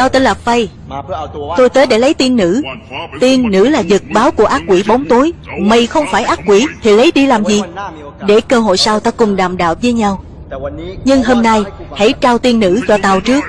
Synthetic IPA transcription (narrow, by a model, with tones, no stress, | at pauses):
t̪aː˧wt̪ə˧nlaː˨˩fə˧j | t̪o˧jt̪əː˨˦jɗe˧˩lə˨˦jt̪i˧ənːɨ̰˧˥t̪i˧ənːɨ̰˧˥laː˨˩zɨ˨˩t̚ɓaː˨˦wku˧˩əʔaː˦˥k̚kːwi˧˩ɓo˨˦ŋ͡mt̪u˨˦jmə˨˩jxə˧wŋ͡mfaː˧˩jʔaː˦˥k̚kwi˧˩t̪ʰi˨˩lə˨˦jɗi˧laː˨˩mzi˨˩˨ | ɗe˧˩kəː˧ɦo̰˧˨jsaː˧wt̪aː˧kʊ˨˩ŋ͡mɗaː˨˩mɗa̰ː˧˨wvəː˨˦jɲa˧w | ɲɨ˧ŋɦo˧mna˧jha̰˧˥jt͡ɕaː˧wt̪i˧ənːɨ̰˧˥t͡ɕɔ˧t̪a˧wt͡ɕɨ˦˥ək̚